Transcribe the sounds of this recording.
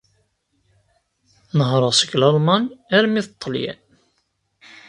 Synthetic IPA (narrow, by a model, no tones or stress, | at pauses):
nəhɾˤəʁsəɡlɑlˤmɑnæɾmːiθət̪ˤːəljæ̰